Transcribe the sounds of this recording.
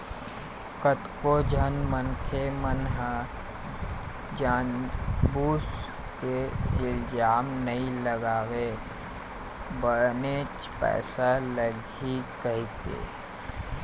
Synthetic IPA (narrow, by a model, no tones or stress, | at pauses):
kət̪kod͡ʒʱənmənkʰemənɦə | d͡ʒaːnbuːs | keɪld͡ʒaːmnəĩləɡaːwe | bəɽneːt͡ʃ | pɛ̰ːsaləɡ | ikəɦit̪ḛː